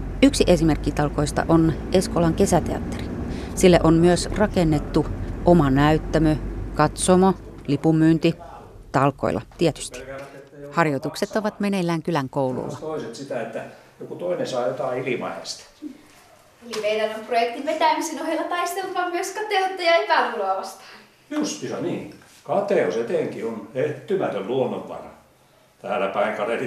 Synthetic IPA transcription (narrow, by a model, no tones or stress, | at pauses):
yksiʔesimerkːit̪ɑlko̞ist̪ɑ̰ʔonʔeskolɑŋke̞sæt̪eɑ̰t̪ːeri̥silːæʔonmyøsrɑkenːet̪ːuʔomɑnæyt̪ːæmøkɑt̪somolipumːyːnt̪i | t̪ɑlko̰ilːɑ̰t̪iɛt̪y̥st̪i̥hɑrjot̪ukset̪ːoʋɑt̪menelːæːŋkylæŋkoulṵlːɑ̰t̪oiset̪sit̪æet̪ːæ | jokut̪oinesɑːjot̪ɑˑiilimɑ̰hḛst̪ɑ̥ | elimeiɾænomprojek̚t̪iʋʋet̪æˑmisenohelːɑt̪ɑist̪elt̪ʋɑmmyøskɑt̪eot̪ːɑjɑepæˑrulɑˑʋɑst̪ɑ̥ | just̪isɑniː | kɑt̪eˑoset̪eˑŋkioneht̪ːymæt̪ølluonːoʋʋɑ̰nɑ | t̪æːlːæpɑiŋkɑleli